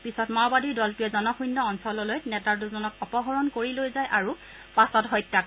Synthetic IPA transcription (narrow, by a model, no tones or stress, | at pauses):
pisɔtmawbadiɹdɔltijɔzɔnɔxʰujnːɔɔnsɔlɔlojnɛtat̬uzɔnɔkɔpɔɦɔɹɔnkoɹilojzajʔaɹu | pasɔtɦɔjtːak